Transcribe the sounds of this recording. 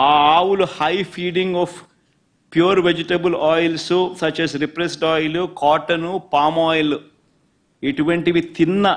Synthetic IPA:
aːaːwuluhɐjpʰiːɖiŋɡɔːf | pjuːɾʋed͡ʒiʈɐbɐlɔːjlsusɐt͡ʃɛːsɾipɾesʈɔːjlukɔːʈɐnupaːmɔːjɐlu | iʈuʋɐɳʈiʋit̪inːɐ

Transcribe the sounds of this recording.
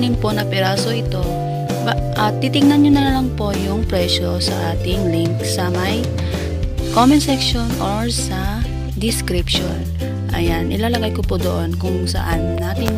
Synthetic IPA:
nɪŋpo̞nɐpɛɾaːso̞ʔɪt̪o̞ | b | ʔɐt̪ːit̪ɪŋnɐnɲonɐlɐŋpo̞jʊŋpɾɛʃosɐ̰ʔaːt̪ɪŋliŋksɐmɐj | komɛnsɛkʃonʔoɹsɐ | d̪ɪskɾɪpʃon | ʔɐ̰janʔɪ̰lalɐɡajkopud̪o̰ʔonkʊŋsɐ̰ʔannaːt̪ɪŋ

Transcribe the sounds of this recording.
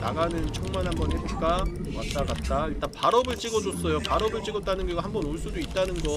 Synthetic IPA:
naɡanɯnt͡ɕʰoŋmanɦanɡʌnɦebok͈a | wat͈aɡat̚t͈ait͈apaɾʌbɯɭt͡ɕ͈iɡʌd͡ʑos͈ʌjopaɾʌbɯɭt͡ɕ͈iɡʌt͈anɯnɡʌɡaɦambʌnoɭs͈udoit̚t͈anɯnɡʌ

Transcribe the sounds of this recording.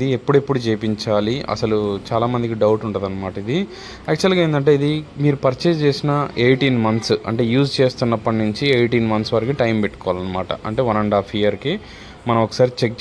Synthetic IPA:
ie̞pːuɽue̞pːuɽut͡ʃejpiɲt͡ʃaːliɐ̰sɐlut͡ʃaːlaːmɐnd̪ikiɖɐwuʈuɳʈaːd̪ɐnːɐmaːʈɐid̪i | aːk̚t͡ʃuɐlɡaːend̪ɐɳʈ̬e̞ːid̪imiːɾupɐɾt͡ʃet͡ʃeːsinɐeːjʈiːnmɐnt̪sɐ̰ɳʈe̞ːjuːd͡ʒt͡ʃeːst̪unːɐpːɐʈnuɲt͡ʃieːʈiːnmɐnsʋaːɾikiʈɐjmpeʈːu̥kɔʋaːlɐnːɐmaːʈɐ̰ʔɐɳʈe̞ːʋɐnɐɳɖaːpʰijɐɾki | mɐnɐmɔkːɐ̥saːɾit͡ʃek̚t͡ʃ

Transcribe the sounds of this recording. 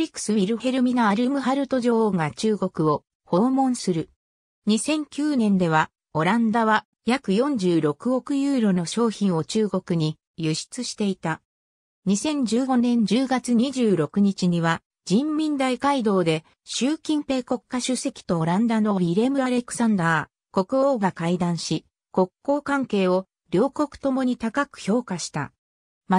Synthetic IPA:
ɾʲikːɯ̥sɨiɾɯ̟he̞ɾɯ̟mʲinaaɾɯmɯ̟ɦaɾɯ̟t̪o̞ʑo̞ŋat͡ɕɨːɡo̞kɯ̟o̞ | ho̞ːmõ̞ñsɨɾɯ̟ | ɲ̟isẽ̞ŋkʲɨːnẽ̞nd̪e̞βa | o̞ɾãnd̪aβa | jakɯ̟jõ̞ɲ̟d͡ʑɨːɾo̞kɯ̟o̞kɯ̟jɯːɾo̞no̞ɕo̞ːçĩɰ̃o̞t͡ɕɨːɡo̞kɯ̟ɲ̟i | jɯɕi̥t͡sɨɕi̥t̪e̞it̪a | ɲ̟isẽ̞ɲ̟d͡ʑɨːɡo̞nẽ̞ɲ̟d͡ʑɨːɡat͡sɨɲiʑɨːɾo̞kɯ̟ɲ̟it͡ɕiɲ̟iβa | d͡ʑĩmmʲĩnd̪aikaid̪o̞ːd̪e̞ | ɕɨːkʲĩmpe̞ːko̞kːaɕɨse̞kʲi̥t̪o̞ɾãnd̪ano̞ɾʲiɾe̞mɯ̟aɾe̞kɯ̟̥sãnd̪aː | ko̞kɯ̟oːɡakaid̪ãɰ̃ɕi | ko̞kːo̞ːkãŋke̞ːo̞ | ɾʲo̞ːko̞kɯ̟̥t̪o̞mo̞ɲ̟it̪akakɯ̟̥ço̞ːkaɕi̥t̪a̰ | ma

